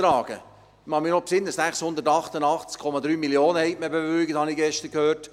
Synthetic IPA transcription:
ɾɑːɡ̥ə̰ | mɑmɪnɔpsɪnːəssæχshʊnd̪ətɑχt̪ənɑχt͡skʰːɔmɑd̪ɾyːmiljoːnəhɛɪt̚məbevʏɾɡət̪hɑnɪɡɛʃtəɾkʰøːt

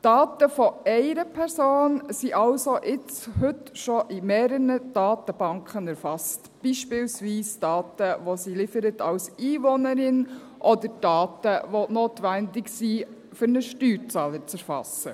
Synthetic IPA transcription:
d̥ɑːtəfɔɛɪɾəpʰɛɾsoːnsiʔɑlsoʔɪt͡shɵtʃɔʔimeːɾənəd̥ɑːtəb̥ɑŋkʰχənɛɾfɑst | b̥iʃpɪːlsʋiːsd̥ɑːtəʋosilɪfəɾətɑwsiːvɔnəɾɪn | ʔɔdəɾd̥ɑːtəʋonoːtʋændɪksi | fʏɾnəʃtyːɾt͡sɑːlət͡sɛɾfɑ̰sə̰

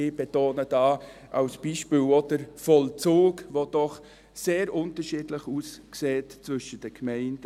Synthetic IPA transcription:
ɪb̥etoːnəd̥ɑːʔɑʊsb̥iːʃpiːlodəɾfɔlt͡soːkʋod̥ɔχ | seːɾʔʊntəɾʃiːdləχuskseːtt͡svʏʃəd̥əkmɛɪnt

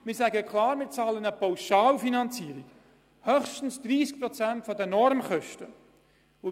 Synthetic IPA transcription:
mɪːsæɡəkʰlɑːɾmɪːt͡sɑːlənəpawʃɑːlfinɑnt͡siəɾik | hœχʃtn̩sd̥̪ɾiːsk̚pɾɔt͡sæntfɔdɛnɔɾmχœʃtə | ʊ

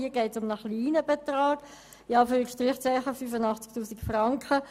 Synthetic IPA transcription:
iəɡɛɪtsʊmnəχliːnəbɛt̪rɑːɡ̥ | ɪɑːfyːikʃtʁɪχt͡sɛɪχəfyfənɑχt͡sk̚tuːsikfrɑŋkχə

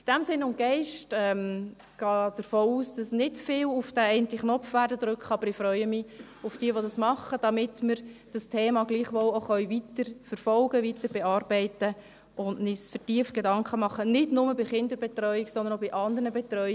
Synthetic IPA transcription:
ɪd̥ɛmsɪnʊnɡ̥ɛɪʃtɛm | ɡ̥ɑːd̥əɾfoːuːsd̥ɑsnɪtfɪːlʊfd̥æɛɪntiχnɔpfʋærdədɾʏkχəɑːb̥əɾɪfɾœʏəmɪ | ʊfd̥iəʋodɑsmɑχəd̥ɑmɪtməɾd̥ɑstʰeːmɑɡliːχʋɔloχœʏvitəɾfəɾfɔlɡəʋitəɾbɛɑːɾbɛɪtə | ʊndnɪsfətiəft̚ɡ̥edɑŋkχəmɑχənɪdnʊməbɪχɪndəɾbɛtɾœʏiksɔndənoɪʔɑndəɾnəbɛtɾœʏ

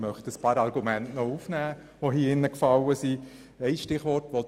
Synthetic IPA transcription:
mœχtəspɑːɾɑɾɡ̥umæntnɔufnæː | ʋoɦiɪnːəkfɑləsi | ɛɪsʃtɪχʋɔɾtʋɔ

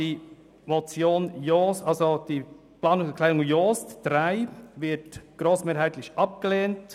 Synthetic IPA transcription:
iː | mot͡sjoːnjosʔɑlzod̥iː | plɑːnʊkʰlaɪʊŋjoːstd̥ɾaɪvɪtɡ̥ɾoːsmeːɾɦaɪtlɪçʔɑp̚ɡ̥əleːnt

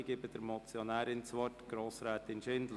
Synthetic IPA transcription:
ɡɪbədəɾmɔt͡sjɔnæːɾɪnt͡sʋɔtɡ̥ɾoːsɾɛːt̪ɪnʃɪndlə

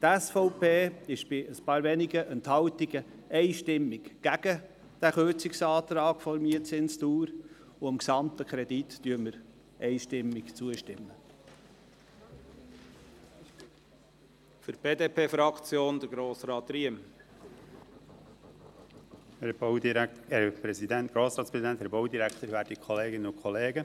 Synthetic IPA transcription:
t̪æsfɔʊpeːɪʃb̥ɪəspɑːɾvɛnɪɡəʔənt̪hɑwt̪iɡəʔɛɪʃtɪmːɪɡɡ̥æɡ̥ə | d̥æχøɾt͡sɪksɑːt̪ɾɑːɡ̥fɔɾmiət͡sɪnst̪uːɾ | ʊɑmksɑmt̪əkʰɾɛd̪itd̥yəməɾ | ɛɪʃtɪmːɪkt͡suəʃtɪmːə | fəɾb̥eːd̪eːpʰeːfɾɑkt͡sjoːnd̪əɾɡɾoːsɾɑːt̪ɾiəm | hɛ | hɛpɾɛsid̪ænt̪ɡ̥ɾoːsɾɑːtspɾɛsid̪ænt̪hæɾbowd̪iɾækt̪əɾvæːɾdikʰχɔleːɡɪnənʊkʰχɔleːɡə

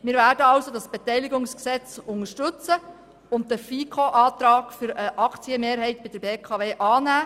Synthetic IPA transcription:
mɪːɾvæːɾdəɑwsodɑsb̥etɛjliɡʊŋsksɛt͡sʊŋəʃtʏt͡sə | ʊntdəfiːkʰoʔɑːt̪ɾɑːɡ̥fʏɾəʔɑkʰt͡siəmeːɾɦɛɪtbɪd̥əɾbeːkʰɑːveːʔɑːnæː

